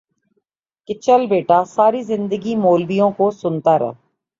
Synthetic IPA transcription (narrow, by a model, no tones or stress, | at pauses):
kɪt͡ʃəlbeːʈaːsaːɾiːzɪ̃nd̪əɡiːmoːlbijõːkoːsʊnt̪aːɾɛ̰ɦ